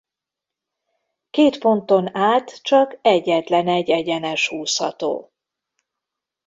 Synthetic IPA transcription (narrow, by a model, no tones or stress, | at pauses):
keːt̪fo̞nt̪o̞naːt̪t͡ʃɒkɛɟːɛt̪lɛnɛɟɛɟɛnɛʃhuːshɒ̰t̪o̰ː